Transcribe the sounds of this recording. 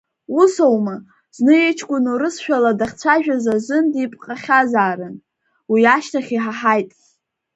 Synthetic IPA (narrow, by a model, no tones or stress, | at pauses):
usowma | znɨjet͡ʃʰkʷʼʊnuɾɨsʃᶣaladaχʲt͡sʷʰaʒᶣazaʒʷɨndipʼqʼaχʲazaːɾɨn | wiaʃtʰaχʲiħaħajtʼ